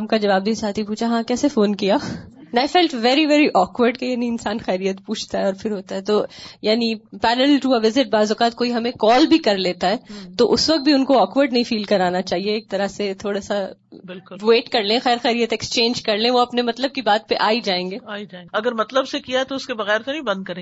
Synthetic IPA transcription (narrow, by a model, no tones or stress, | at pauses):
ɦɐmkad͡ʒɐʋaːb̚d̪iːsaːt̪ʰipuːt͡ʃʰaɦãkɛːsefoːnkijanaːɪfɛːlʈʋɛːɾiʋɛːɾiʔɔːkʋəɾɖkejeːniɪnsaːnxɛːɾijət̪puːt͡ʃʰt̪aɦɛɔːɾfɪɾɦoːt̪aɦɛt̪oːjaːnipɛːɾəlʈuɐʋɪzɪʈ̚baːzʊkaːt̪̚koːiɦɐmẽkɔːlbʱikɐɾleːt̪aɦɛːt̪oʔʊsʋɐk̚t̪̚bʱiʊnkoɔːkʋəɾɖnɐɦĩfiːlkɐɾaːnat͡ʃaːɦieːk̚t̪ɐɾaset̪ʰoːɽasa | bɪlkʋeːʈkɐɾlẽxɛːɾxɛːɾijət̪ɛkst͡ʃẽːnd͡ʒkɐɾlẽʋoɐpnemɐt̪ləb̚kibaːt̪̚peʔaːid͡ʒaːẽːŋɡeːaːid͡ʒ̃ɐɡəɾmɐt̪ləbsekijaɦɛt̪oʊskebɐɣɛːɾt̪onĩbɐ̃nd̪̚kɐɾẽː